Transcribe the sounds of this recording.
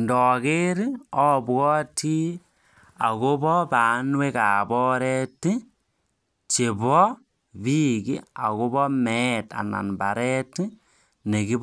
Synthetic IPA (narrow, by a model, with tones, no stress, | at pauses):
ndɔ˨ke˦ɾi˦ɔ˦bɣɔ˦ti˦ | a̰˨ko˦bɔ˦ba˨˦nwe˦ka˨bɔ˦ɾɛ˦ti˦ | t͡ʃe˨bɔ˦ | βi˦ki˦a˨ko˦bɔ˦mɛ˦ta̰˨na̰˨nba˨ɾɛ˦ti˦ | ne˨ki˦b